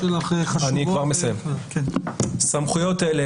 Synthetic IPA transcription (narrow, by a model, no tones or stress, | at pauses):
elaχanikkvaʁmesajemknsamχujo̞tele